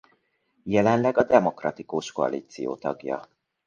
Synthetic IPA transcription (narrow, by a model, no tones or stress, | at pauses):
jɛlɛnlɛɡɒd̪ɛmo̞krɒt̪ikuʃko̞ɒ̰lʔiːt̪sijo̰ːt̪ɒɡjɒ̰